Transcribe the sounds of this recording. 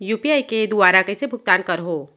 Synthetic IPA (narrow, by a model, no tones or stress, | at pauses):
juːpijaːiked̪ʊaːɾakesebʱʊk̚t̪aːnkɐɾɦoː